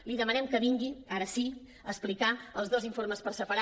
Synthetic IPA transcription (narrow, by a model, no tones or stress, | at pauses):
liðəmənɛmkəβiŋɡiaɾəsi | əsplikaəlˠzðoziɱfoɾməspəɾsəpəɾa